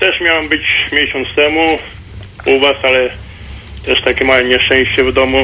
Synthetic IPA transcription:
t̪ɛʂmʲjawɛmbɘt͡ɕmʲjeɕɔ̃nt̪st̪ɛmu | uvasalɛ | t̪ɛʂt̪akʲɛmawɛmɲɛʂt͡ʂɛ̃ɕt͡ɕɛvd̪ɔmu

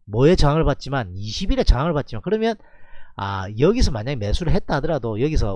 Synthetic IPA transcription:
mwʌet͡ɕaŋɯɭpat̚t͡ɕ͈imaniɕʰibiɾet͡ɕaŋɯɭpat̚t͡ɕimankɯɾʌmjʌna̰jʌɡisʰʌmaɲaɡimesʰuɾɯɭɦet̚t͈adɯɾadojʌɡis̬ʰʌ

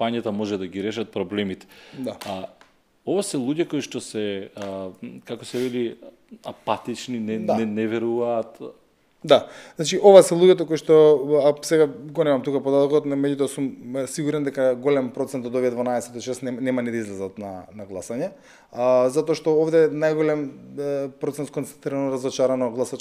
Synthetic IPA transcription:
aɲat̪amɔʒɛd̪aɡiɾɛʃat̪̚pɾɔblɛmit̪ɛ̥d̪a | ovasɛlˠuɟɛkoiʃt̪ɔsɛ | kakɔsɛvɛli | apat̪it͡ʃninɛd̪aɛnɛvɛɾuvaːt̪ | d̪aznat͡ʃiʔovasɛlˠuɟɛt̪̬okoiʃt̪ɔasɛɡaɡonɛmamt̪ukapod̪at̪ɔkɔt̪mɛɟut̪ɔɦasumsiɡuɾɛnd̪ɛkaɡolɛmpɾot̪sɛnt̪od̪ovijɛd̪vanaɛsɛt̪ɔʃɛst̪nɛnɛmanid̪aizlɛzat̪nanaɡlˠasaɲɛ | zat̪ɔːʃt̪ɔovd̪ɛnajɡolɛm | pɾot̪ɛnt̪kont̪ɛnt̪ɾiɾanɔɾazɔt͡ʃaɾanɔɡlˠasat͡ʃ

